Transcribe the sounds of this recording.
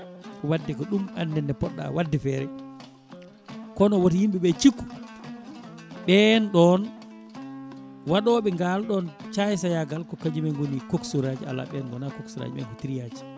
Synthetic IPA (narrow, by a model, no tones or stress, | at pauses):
wadːɛkɔɗuma̰nːɛnːɛpɔɗːa̰wadːɛfɛɾɛ | kɔnɔwotijimɓiɓɛt͡ʃikːu̥ | ɓɛnɗɔn | waɗɔɓɛŋɡalɗɔnt͡ʃajs̬ajaɡalkɔkad͡ʒimɛŋɡonikoksuɾad͡ʒia̰lːa̰ɓɛnɡɔnakoksuɾa̰d͡ʒimɛ̰kɔtiɾijad͡ʒi̥